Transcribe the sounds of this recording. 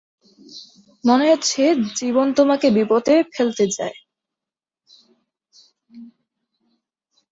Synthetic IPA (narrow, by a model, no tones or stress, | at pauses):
mɔneɦot̪ːt͡ɕʰed͡ʑibont̪omakebipot̪efelt̪ed͡ʑa̰e